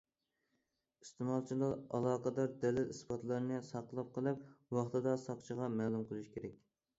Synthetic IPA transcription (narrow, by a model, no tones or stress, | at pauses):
ist̪ɨmɑlˠt͡ʃʰilˠɑɑ̰lˠɑːqɑd̪ɑɾd̪ɛlɛt̪isbɑt̪lˠɑɾnɨsɑqəlˠɑp̚qʰəlˠɨpwɑχt̪ʰɨd̪ɑsɑqt͡ʃʰəʁɑmæːlˠumqʰəlˠɨʃkʲʰeɾɛk̚ʲ